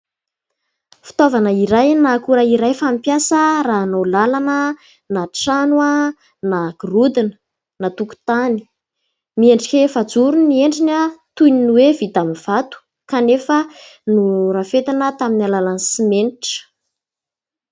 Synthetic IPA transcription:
fi̥t̪ovanəiɾajnakuɾaiɾajfamipjasəraɦːnolalanə | naʈ͡ʂanua | naɡ̥rud̪inə̥ | nat̪uku̥t̪ani̥ | mieɳɖ͡ʐikʲefad͡zuɾunieɳɖ͡ʐinət̪ujninwevit̪amiv̥at̪u̥ | kanefənurafet̪anət̪aminalalansimenʈ͡ʂə̥

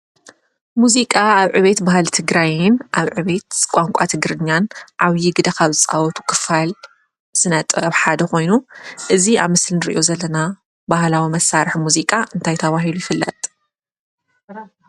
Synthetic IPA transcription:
muzikʼaaβʕɨβet̪bahalt̪ʰɨɡɾajɪnʔaβʕɨβe̞t̪kʷʼaŋkʷʼat̪ʰɨɡɾɨɲːanʔaβjɪɡɨd̪ɐkʰaβzɨt͡sʼa̰wɔt̪ʰu̥kʰɨfal | z̥ɨnɐt̪ʼβħad̪ɐko̞jnuʔɨziaβmɨslnɨɾḭʔo̞zɐlːɐna | bahlawimɐsaɾħmuzikʼaʔɨnt̪ʰajt̪ʰɐβaɦilujɪfɨlːɐ̰t̪ʼ

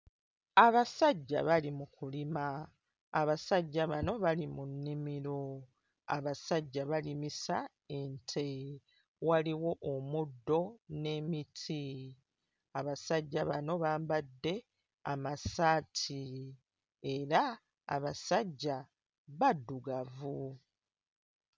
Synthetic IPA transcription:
aβasaɟːa̰βalimukulimaː | βasaɟːaβano̞βalimunːimiɾo̞ | a̰βasaɟːaβalimisa | e̞ntʰe̞ | waliwo̞ʔomudːo̞ne̞mitʰi | aβasaɟːaβano̞βaːmbadːe̞ | amasaːtʰi | e̞ɾa̰ː | βasaɟːa | βadːuɡavu

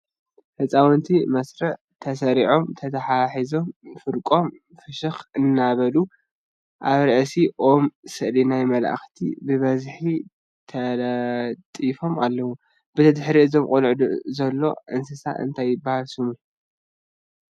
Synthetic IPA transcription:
ħɨt͡sʼawnt̪ʰimɐsɾɨʕ | t̪ʰɐs̬ɐɾiʕo̞mt̪ʰɐt̪ʰɐħaħizo̞mfɨɾkʼo̞m | fɨʃɨxɨnːaβɐlu | ʔaβɾɐʕsiʔomsɨʔlinajmɐla̰ʔa̰xt̪ʰḭbɨβɐzħi | t̪ʰɐlt̪ʼifo̞malːɐwu | b̥ɨt̪ʰɐd̪ħɾiʔɨzo̞mkʼulʕd̪uzɐlːo̞̰ʔɨnsɨsa̰ʔɨ̰nt̪ʰajːɪbːahalsɨmu

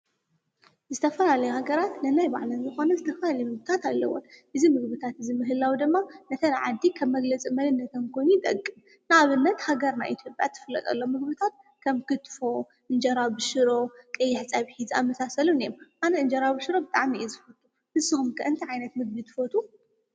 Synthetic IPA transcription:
zɨt̪ʰɐfɐlalɐjuhaɡɐɾat̪nɐnajba̰ʕlɐnzɨxo̞nɐzɨt̪ʰɐfɐlalɐjɛmɨɡbɨt̪ʰat̪alːɐ̰wo̰ʔɨzimɨɡbɨt̪ʰat̪ɨzimɨɦɨlːawd̪ɨmːanɐt̪ʰɐnʕad̪ikʰɐβːɐɡlɐt͡sʼimɐlɨnːɐt̪ʰɐmkʰo̞jnit̪ʼɐkʼːɨm | naβɨnːɐt̪haɡɐɾnajʔḭt̪ʰjo̞pʼja̰t̪ʰːɨ̥fɨlːɐ̰t̪ʼɐ̰lːomɨɡbɨt̪ʰat̪̚ | kʰɐmkʰɨt̪ʼfo̞ | ʔɨnd͡ʒɐɾabɨʃɨɾo̞kʼɐjːɛħt͡sʼaβħiza̰mːɐsasɐlunijomʔanɐɨnd͡ʒɐɾabɨʃɨɾo̞bɨt̪ʼaʕmiʔizɨfot̪ʰʼu | bɨzːɨhumkʰɐʔɨnt̪ʰiʕajnɐt̪mɨɡ̚bit̪ʰɨ̥fot̪ʰʼu

